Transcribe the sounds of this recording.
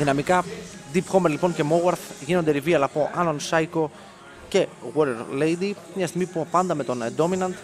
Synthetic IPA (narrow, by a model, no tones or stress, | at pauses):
ðinɐmikɐd̪ipxo̞meɾlipo̞ɲce̞mowɐɾθʝinond̪eɾiviɐlɐpo̞ʔɐnonsɐjko̞ | ce̞ɣwoɾeɾlejd̪i | mɲɐst̪iɣmipuɐpɐnd̪ɐme̞t̪o̞nd̪o̞minɐnd̪